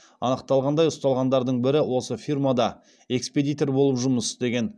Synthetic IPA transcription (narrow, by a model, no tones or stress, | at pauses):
ɑnəqt̪ɑlˠʁɑnd̪ɑjʊst̪ɑlˠʁɑnd̪ɑɾd̪əɴbɪɾɪwo̞səfirmad̪ɑ | e̞kspe̞d̪ijt̪o̞rbo̞lˠəpʒʊməsd̪e̞ɡʲe̞n